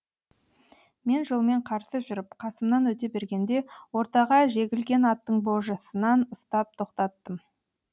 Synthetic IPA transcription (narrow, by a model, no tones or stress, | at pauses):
me̞nʒolˠme̞ɴqʰɑɾsəʒʏɾɪpqʰɑsəmnɑnwɵt̪e̞be̞ɾɡʲe̞nd̪e̞wo̞ɾt̪ɑʁɑʒe̞ɡʲɪlɡʲe̞nɑt̪ːəɴbo̞ʒəsənɑnʊst̪ɑp̚t̪ʰo̞qt̪ɑt̪ːəm